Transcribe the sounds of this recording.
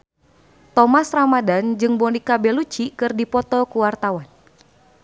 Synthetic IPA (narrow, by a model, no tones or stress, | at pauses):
t̪ɔmasramadand͡ʒɨŋbɔnikabɛlut͡ʃikɨrdipɔt̪ɔkuwart̪awan